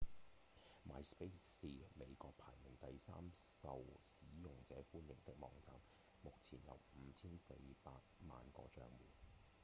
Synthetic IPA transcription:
ma̰ː˧jspe˥sːiː˨me˨˧jkɔː˧k̚pʰaː˨˩jmɪ˨˩ŋt̪ɐ˨jsa̰ː˥msɐ˨wsiː˨˥jʊ˨ŋt͡sɛː˨˥fuː˥njɪ˨˩ŋt̪ɪ˥k̚mɔ̰ː˨˧ŋt͡saː˨m | mʊ˨k̚t͡sʰiː˨˩njɐ̰˨˧wm̩˨˧t͡sʰiː˥nse˧jpaː˧k̚ma̰ː˨nkɔ̰ː˧t͡ʃœ̰ː˧ŋmuː˨˩n

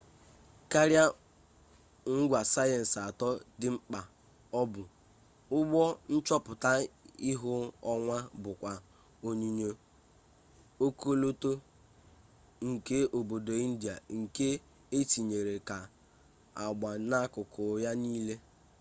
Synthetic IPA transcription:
ka˦ɾja˦ | ŋ̩˦ɡʷa˨sa˦jɛ˨n̩˨sa˨tɔ˦dɪ˨ŋ͡m̩˦k͡pa˨ | ɔ˦bʊ˨ | ʊ˦ɡ͡bɔ˦n̩˦t͡ʃɔ˦pʊ˨ta˦i˦ɦʊ˦ɔ˦ŋʷa˦bʊ˨kʷa˨ | o˨ɲi˨ɲe˨ | o˦ko˦lo˦to˦ | ŋ̩˨ke˦ʔo˨bo˨do˨i˦n̩˦dja˨ŋ̩˨ke˦ | e˦t͡ʃi˨ɲe˨ɾe˨ka˨ | a˨ɡ͡ba˨na˦kʊ˨kʊ˨ja˦niː˦le˦

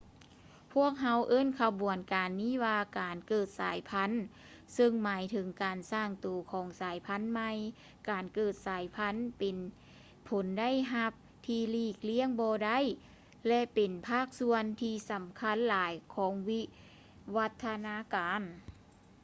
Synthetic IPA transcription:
pʰu˥˩ək̚ɦa˧˥wʔɤː˧˥˨nkʰa˧bu˨˩ənkaː˨˩nːiː˧˥˩waː˧kaː˨nkɤː˧˩t̪̚saː˨˦jpʰa˧˥n | sɤ˧ŋmaː˨˦jt̪ʰɯ˨˦ŋkaː˨˩nsaː˧˩ŋt̪oː˨˩kʰɔː˨˦ŋsaː˨˦jpʰa˧˥˨nma˧j | kaː˨nkɤː˧˩t̪̚saː˨˦jpʰa˧˥npe˨n | pʰo˨˦nda˥˨jɦa˧p̚ | t̪ʰiː˧liː˧˩k̚li˧˥əŋbɔː˧da˥˨j | lɛ˧pe˨˩npʰaː˥˩k̚su˧ənt̪ʰiː˧sa˨˦mkʰa˧˥˨nlaː˨˦jkʰɔː˨˦ŋwi˧˥ | wa˧˥t̪ʰːa˧naː˧˥kaː˨n

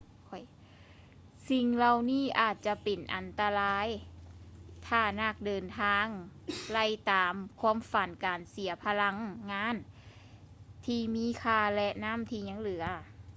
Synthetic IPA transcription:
kʰɔ˧˩j | si˧ŋla˧wniː˥˩ʔaː˨˩t̪̚t͡ɕa˧pe˨˩nʔa̰˨˩nt̪a˧laː˧˥j | t̪ʰaː˧˩na˧˩k̚dɤː˨nt̪ʰaː˧˥ŋla˧˥˩jt̪aː˨mkʰu˧˥ə˨mfa˨˩nkaː˨nsi˨˩˦ɐpʰa˧la˧˥ŋːaː˧˥˨n | t̪ʰiː˧˩miː˧˥˨kʰaː˧˩lɛ˧ʔna˦˥˨mt̪ʰiː˧˩ɲa˧˥˨ŋlɯ˨˩˦ɐ

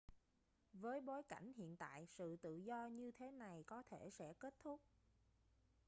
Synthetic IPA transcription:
vəː˨˦jɓo˨˦jka˧˩jŋ̟hḭ˧˨ənt̪a̰ː˧˨jsɨ̰˧˨t̪ɨ̰˧˨zɔ˧ɲɨ˧t̪ʰe˨˦na˨˩jkɔ˨˦t̪ʰe˧˩sɛ̰˧˥ke˦˥t̚t̪ʰʊ˦˥k͡p̚

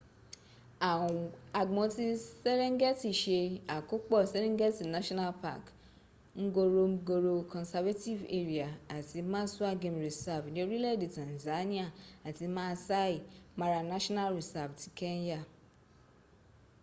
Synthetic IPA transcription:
ã˨a˨ɡ͡bɔ̃˨˦ti˦se˦lĩ˦ŋ˦ɡɛ˦ti˦˨ʃe˧a˨ko˦k͡pɔ˦˨se˦lĩ˦ŋ˦ɡɛ˦ti˨na˦ʃɔ̃˦na˦lpa̰˦˨k | ŋ̩˦ɡo˧ɾo˧ŋ̩˦ɡo˧ɾo˧kɔ̃˨nsa˧va˦ti˦˨vḛ˦ɾi˨a˨a˨ti˧˦mã˦su˦a˦ɡẽ˧˨mɾi˨sa˦˨bnĩ˧o˧ɾi˦lɛ˦˨de˨tã˨n˨za˨˦nĩ˦a˦˨a˨ti˧mãː˦sa˦i˦˨ma˧ɾa˧nã˦ʃɔ˦na˦lɾi˨sa˦˨bti˨˦kɛ˦n˦ja˦˨

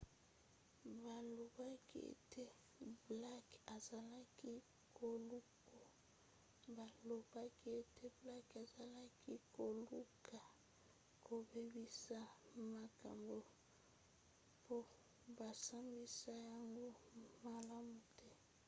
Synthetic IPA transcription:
ba˨lo˨ba˦kḭ˦ḛ˨tʰe˦ | bla˦ka˨za˨la˦ki˦ | kʰo˨lu˦ko˦˨ | ba˨lo˨ba˦ki˦e˨te˦bla˦ka˨za˨la˦ki˦ko˨lu˦kʰa˨ | ko˨be˦bi˦sa˦ma˨ka˨mbo˨ | po˦ | ba˨sa˦mbi˦sa˦ja˨ŋɡo˦ma˨la˦mu˨tɛ˦

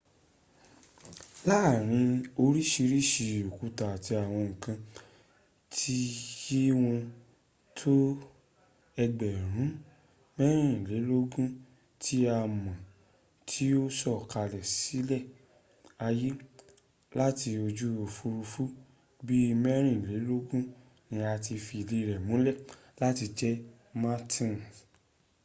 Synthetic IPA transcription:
la˦˨ɾ̃ĩ˧o˧ɾi˦ʃi˧ɾi˦ʃi˧˨o˨ku˧˦ta˨ti˧a˨w̃ɔ̃˧ŋ̩˨kã˧ | tʰi˦ji˦w̃ɔ̃˧ | tʰo˦ | ɛ˧ɡ͡bɛ˨ɾ̃ũ˨˦ | mɛ˦ɾ̃ĩ˦˨le˨˦lo˦ɡũ˦ | tʰi˦a˧mã˨ | tʰi˦o˦sɔ˦˨ka˧lɛ˨si˨˦lɛ˦˨ | a˧ji˦ | la˦ti˧o˧d͡ʒu˦o˧fu˧ɾu˧fu˦ | bi˦˧mɛ˦ɾ̃ĩ˦˨le˨˦lo˦ɡũ˦ | nĩ˧a˧ti˧fi˧le˧ɾɛ˨mũ˨˦lɛ˦˨ | la˦ti˧d͡ʒɛ˦ | ma˦tʰĩ˦˨n˨

